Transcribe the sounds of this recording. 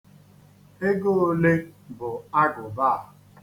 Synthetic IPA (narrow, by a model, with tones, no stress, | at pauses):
e˦ɡo˦o˦le˦bʊ˨a˦ɡʊ˨ba˦˨